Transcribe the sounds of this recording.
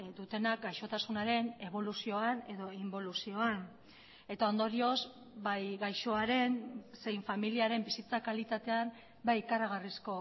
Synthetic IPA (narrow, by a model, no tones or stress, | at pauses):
d̪ut̪e̞nak̚ɡajʃo̞t̪asunaɾe̞ne̞β̞o̞lusio̞ane̞ðo̞imbo̞lusio̞an | e̞t̪ao̞nd̪o̞ɾio̞z | bajɣajʃo̞aɾe̞nse̞jɱfamiliaɾe̞mbisit͡sakalit̪at̪e̞am | bajikaraɣ̞arisko̞